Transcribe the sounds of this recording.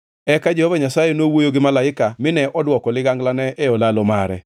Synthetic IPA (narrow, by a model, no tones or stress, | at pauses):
ɛkad͡ʒɛhɔvaɲasajenowojoɡɪmalaɪkamɪnɛʔɔdwɔkɔlɪɡaŋɡlanɛɛɔlalomaɾɛ̰